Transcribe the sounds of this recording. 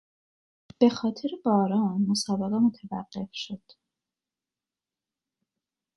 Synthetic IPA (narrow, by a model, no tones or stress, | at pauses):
b̥e̞xɒːt̪ʰeɾebɒːɾɒːnmosɒːbæɣemo̞t̪ʰævæ̰ɢːe̞fʃo̞d̪̥